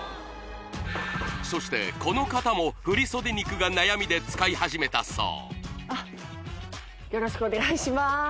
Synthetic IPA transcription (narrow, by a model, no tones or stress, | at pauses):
so̞ɕi̥t̪e̞̰ko̞no̞kat̪amo̞ɸɯ̟ɾʲiso̞d̪e̞ɲʲikɯ̟ɡanajamʲid̪e̞t͡sɨ̥kaihaʑime̞t̪a̰so̰ːa | jo̞ɾo̞ɕi̥kɯone̞ɡaiɕima